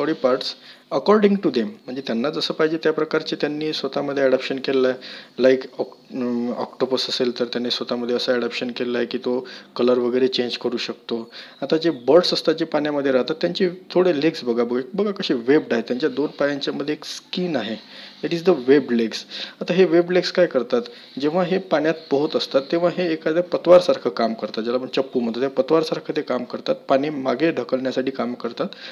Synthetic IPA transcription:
ɔɾipaɾʈsəkɔɾɖiŋɡʈud̪em̤ːəɳd͡zet̪janːad͡zəsəːpaɦid͡ʑet̪japɾəkaɾt͡ɕet̪janːiːsʋət̪aməd̪ʱːjeɛɽapɕənkellalajkɔk | ɔ̰kʈobəsəselt̪əɾt̪janːisʋət̪aməd̪ʱːjeəsəːɽapɕənkellaɦekiːt̪okələɾʋəɡəjɾet͡ɕeɲd͡ʑkəɾuːɕək̚t̪oat̪ad͡ʑebəɾʈsəst̪at͡ɕepaɳjaməd̪ʱːjeɾaɦt̪at̪ːjaɲt͡ɕit̪ʰoɽeleɡsbəɡʱabəɡabəɡʱakəɕiʋeb̚ɖaɦet̪jaɲt͡ɕjad̪onpajaɲt͡ɕjaməd̪ʱjeekskiːnaɦe | ɛʈiːzd̪əʋebleɡsat̪aɦeʋebleɡskajkəɾt̪at̪ | d͡ʑeʋ̤aɦepaɳ̃jat̪̚pəɦut̪əst̪at̪ːeʋ̤aɦeːkad̪ʱjapət̪ʋaɾsaɾkʰəkamkəɾt̪at̪d͡ʑalaməɡ̚t͡ɕəpːuːm̤ə̃ɳt̪ot̪japət̪ʋaɾsaɾkʰət̪ekamkəɾt̪at̪̚paɽ̃emaɡeɖʱəkəlɳjasaʈiːkamkəɾt̪at̪

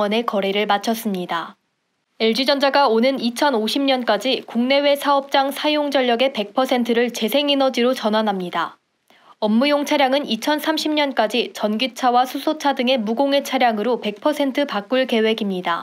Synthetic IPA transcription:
ʌne̞kʌɾeɾɯɭmat͡ɕʰʌs͈ɯmɲida | eɭd͡ʑid͡ʑʌnd͡ʑaɡaonɯnit͡ɕʰʌnoɕʰimɲʌnk͈ad͡ʑikuŋne̞we̞sʰaʌp̚t͡ɕ͈aŋsʰajoŋd͡ʑʌʎːjʌɡe̞pe̞k̚pʰʌsʰe̞ntʰɯɾɯɭt͡ɕe̞sʰe̞ŋinʌd͡ʑiɾot͡ɕʌnɦanɦamɲida | ʌmːujoŋt͡ɕʰaɾjaŋɯnit͡ɕʰʌnsʰamɕʰimɲʌnk͈ad͡ʑit͡ɕʌnɡit͡ɕʰawasʰusʰot͡ɕʰadɯŋe̞muɡoŋe̞t͡ɕʰaɾjaŋɯɾope̞k̚pʰʌsʰe̞ntʰɯpak͈uɭke̞we̞ɡimɲida̰

